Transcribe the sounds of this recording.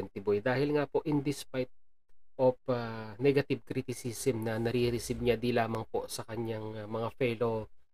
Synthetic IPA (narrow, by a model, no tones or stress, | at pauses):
nt̪ɪbojd̪aːhɪlŋapo̞ʔɪnd̪ɪspajt̪̚ | ʔofanɛɡɐt̪ɪb̚kɾit̪ɪsisɛmnɐnɐɾiɾɪsɪb̚ɲad̪ilaːmɐŋpo̞̰sɐkɐɲaŋmɐŋafɛlo̞